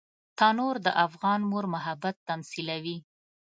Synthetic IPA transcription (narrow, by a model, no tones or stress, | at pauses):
t̪ɑnoɾd̪əʔafɣɑnmoɾmʊɦabat̪ːamsilawi